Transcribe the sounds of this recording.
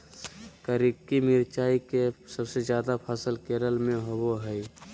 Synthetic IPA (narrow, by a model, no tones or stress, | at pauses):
kəɾikːimiɾt͡ʃaːikesəbsezjaːd̪apʰəsəlkeːɾəlmẽɦoboɦɛi